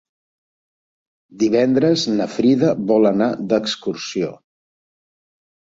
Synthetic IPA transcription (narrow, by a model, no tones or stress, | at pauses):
d̪iβ̞ɛnd̪ɾəznəfɾiðəβɔlənad̪əkskursio̰